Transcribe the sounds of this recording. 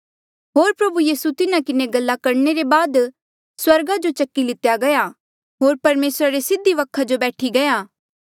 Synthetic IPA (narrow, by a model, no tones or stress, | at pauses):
ɦoːɾpɾɐbujiːsut̪ɪnakɪneɡɐlːakɐɾneɾebaːd̪ | swɐɾɡad͡ʒot͡ʃɐkːilɪt̪jaɡɐja | ɦoːɾpɐɾmeːsɾaɾesɪd̪ʱːiʋɐkʰːad͡ʒobɛːʈʰiɡɐjaː